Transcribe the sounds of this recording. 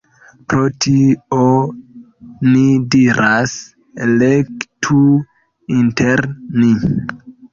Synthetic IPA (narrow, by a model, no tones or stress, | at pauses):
pɾotʰio | nidiɾas | lektʰu | inteɾni